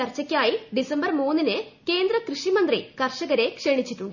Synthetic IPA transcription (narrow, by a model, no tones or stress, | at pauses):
ɐrt͡ɕːɐkʲːaːjiɖisɐmbɐrmuːnːinɨke̞ːnd̪rɐkrɨʂimɐnd̪rḭkɐrʂɐɣɐɾe̞kʂeɳit͡ɕːitːuɳɖɨ